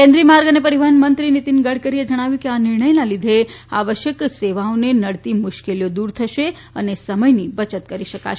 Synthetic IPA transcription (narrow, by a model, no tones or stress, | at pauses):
kẽnd̪ɾiːəmaɾɡənepəɾiʋəɦənmənt̪ɾinit̪inɡəɽ̤kəɾied͡ʒəɽ̃aʋjũkianɪɾɳəjlalid̪ʱea̰ʋəʃjəkseʋaõnenəɽt̪imʊʃkelijod̪uɾt̪ʰəʃe | ə̰nesəməjnibət͡ʃət̪kəɾiʃəka̰ʃ